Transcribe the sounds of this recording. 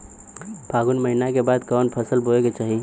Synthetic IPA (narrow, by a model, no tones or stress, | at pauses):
bʱaɡunməɦinakebad̪kɔːnpʰəsəlboeket͡ʃaːɦi